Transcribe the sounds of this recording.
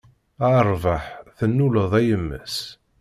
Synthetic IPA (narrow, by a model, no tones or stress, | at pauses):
əɾˤvəħθənːuləðˤæjəmːə̰s